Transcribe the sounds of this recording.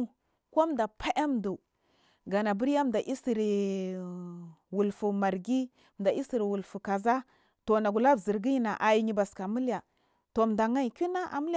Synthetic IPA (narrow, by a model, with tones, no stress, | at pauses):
ko˦m˨da˨pʰa˦ʔa˦m˨du˨ | ɡa˨na˨bu˦ɾja˦m˨da˨ʔi˦si˨ɾi˨ | wu˨lfu˨ma˨ɾɡi˦˨ | m˨da˨i˦si˨ɾi˨wu˨lfu˨ka˨za˦ | to˨na˨ɡu˨la˦vzi˨ɾɡi˦ji˦na˨ʔa˨ji˦ɲi˨ba˨ska˨mu˦la˨ | to˨m˨da˨ŋa˦i˨ki˦na˦ʔa̰˨m˦l